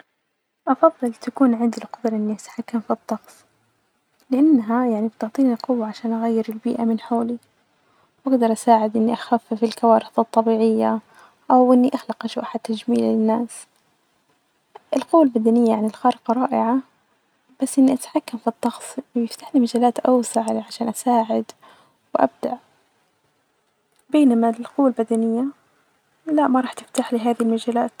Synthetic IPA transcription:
ʔɑfɑðˤːɨlt̪akuːnʕɪnd̪ilqɑd̪ɾˤʔɪnːiʔat̪ħakːamfit̪ˤːɑxsˤ | lɪʔanːɦajaʕnibt̪ɪʕt̪ˤiːnilqʊwːaʕaʃaːnʔaɣajːɪɾɪlbḭːʔamɪnħoːli | wʔaɡd̪ɑɾˤʔasaːʕɪd̪ʔɪnːiʔaxafːfilkawaːɾɪxðɨt̪ˤːɑbiːʕɪjːa | ʔawʔɪnːiʔaxlɑqʔaʃʊʔaħad̪̚t̪ːad͡ʒmiːlalɪnːaːs | ʔɪlqʊwːalbad̪anɪjːajaʕnɪlxɑːɾɪqɑɾˤɑːʔɪʕa | b̥asːʔɪnːiʔat̪ħakːamfit̪ˤːɑxsˤjɪft̪aːħlimad͡ʒaːlaːt̪ʔawsaʕlʕaʃaːnʔasaːʕɪd̪ | wʔa̰b̚d̪aʔ | beːnamalqʊwːalbad̪anɪjːa | laʔmaɾˤɑːħt̪ɪ̥ft̪aːħliɦaːðihilmad͡ʒaːlaːt̪

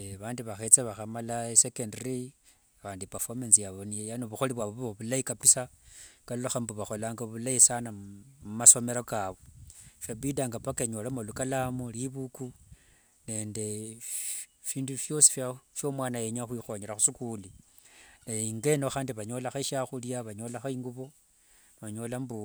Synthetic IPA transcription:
βaːndiβaxe̞t͡seβaxamalaesekendri | βaːndipafomansijaβo̞nijejanoβuxoliβwaβoββoβulaikapisakallaxambuβaxo̞laːŋɡaβulaisanamumaso̞me̞ɾokaβofaβidaŋɡapakeɲolamalukalamuliβuku | ne̞ːnde̞ | fiːndufjo̞si̥fjafjo̞mwaːnajeɲaxwixo̞ɲeɾaxusikuli | naiŋɡe̞noxaːndiβaɲo̞laxaʃaxuljaβaɲo̞ːlaxaiŋɡuβo̞ | nβaɲo̞lambu

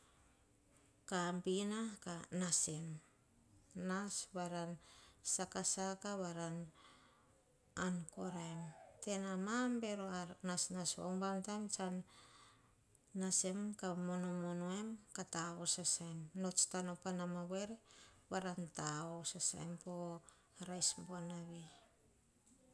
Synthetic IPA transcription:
kampinakanasem | nasβaɾansakasakaβaɾan | ankoɾajmte̞namambeɾoaɾnasnasa̰wmbaŋtamt͡ʃan | asemkamonomonoemkataosasajmno̞t͡ʃtanopanamaβeɾeβaɾantaosasa̰jmpo | aɾajsmboanaβi

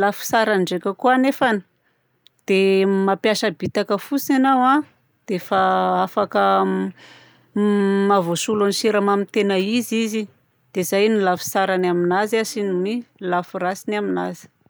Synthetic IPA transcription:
lafu̥saɾaɳɖ͡ʐekʲəkuanefani̥ | d̪̥emapjaʃəbit̪akəfusanawã | d̪̥efaafakə | mavosulaniʃiɾamamit̪enəizizi | d̪̥ezajnilafu̥saɾanaminazasinimilafuɾasinamina̰zi̥

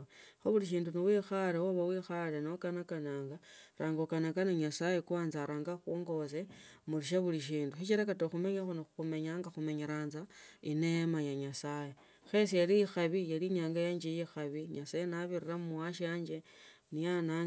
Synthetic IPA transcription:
xoβuliʃ̬iːndunowixalewoβawixalenokanakanaːŋɡaɾaːŋɡokanakanoɲasajekwaːnzaɾʔaːŋɡaxuːŋɡo̞semuliʃ̬aβuliʃ̬iːnduxit͡ʃiɾakatoxume̞ɲaxonouxume̞ɲaːŋɡaxume̞ɲaɾaːnzainemajaɲasaje | xe̞s̬ijaliixaβijaliɲaːŋɡajaɲd͡ʒejixaβiɲasajenaβiriramuaʃaːɲd͡ʒe | nijana

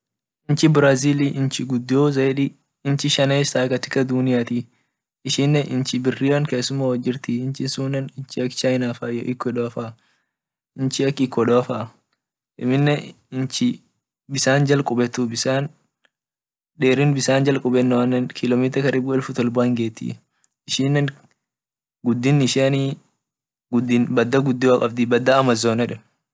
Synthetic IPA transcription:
ɪnt͡ʃɪbɾaːziːliʔɪnt͡ʃɪɡʊd̪ːjoːzɐjᶑi | ɪnt͡ʃɪʃɐneːst̪aːkɐt̪ːɪ̥kːɐd̪unɪjaːt̪i | ɪʃɪnːɛʔɪnt͡ʃɪbɪrːɪɾɐŋkeːsːʊmaːwɐd͡ʒːɪɾt̪ɪɪnt͡ʃɪsuːnɐnɪnt͡ʃɪɐkːt͡ʃajnaːfaːjɔʔɪkːɔᶑɔɐfaː | ɪnt͡ʃɪɐkːɪkːɔᶑɔfaː | ʔɪmɪnːɛ | ɪnt͡ʃɪ | bɪsaːnd͡ʒɐlkʼʊbɛt̪ːʊbɪsaːn | ᶑeːɾɪnbɪsaːnd͡ʒɐlkʼʊbɛnːɛwɐnːɐnkʰɪlɔmiːt̪ɾɐkɐɾɪbʊɪlfʊt̪ɔlbʊɐŋɡeːt̪ːɪ̰ | ɪʃiːnːɐn | ɡʊd̪ːɪnːɪʃɪɐniː | ɡʊd̪ːɪnbɐd̪ːɐɡʊd̪ːɪwɐkʼɐbd̪ɪbɐd̪ːɐːmɐzːoːnɛᶑɐn

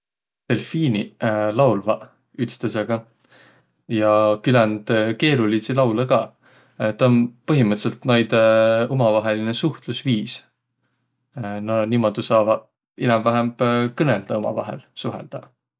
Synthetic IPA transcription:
t̪e̞lfiːnilɑwlvɑ | yt̪st̪eseɡ̥ɑ | jɑkylænd̪̥ke̞ːɾulisilɑwlɑkɑː | t̪ɑonpɤɦimɯɤt̪se̞lt̪nɑjd̪̥omɑvɑɦe̞linesuht̪lusviːs | nɑnimod̪̥usɑːvɑ | inɑmvæɦemb̥kɤneld̪̥ɑomɑ̰vɑ̰ɦḛlsuɦḛld̪̥ɑ

